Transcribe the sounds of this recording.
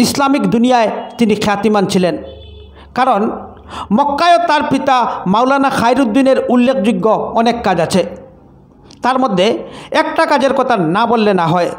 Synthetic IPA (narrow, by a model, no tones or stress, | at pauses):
islamikd̪unijaet̪inikʰeat̪imant͡ɕʰilen | kaɾon | mɔkːaeot̪aɾpit̪amawlanaxʰajɾud̪ːineɾulːekʰd͡ʑuɡːoɔnekːad͡ʑat͡ɕʰe | t̪aɾmod̪ʱːeɛk̚ʈakad͡ʑeɾkɔt̪ʰanabolːenaɦɔe